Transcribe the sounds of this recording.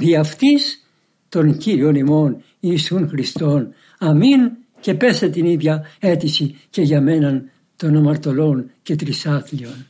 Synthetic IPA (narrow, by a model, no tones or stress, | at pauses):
ðiɐft̪is | t̪o̞nciɾio̞nimo̞n | iːsunxɾist̪o̞n | ɐmin | ce̞pe̞se̞t̪iniðʝɐe̞t̪isice̞ʝɐme̞nɐn | t̪o̞nɐmɐɾt̪o̞lo̞nce̞t̪ɾisɐθlio̞n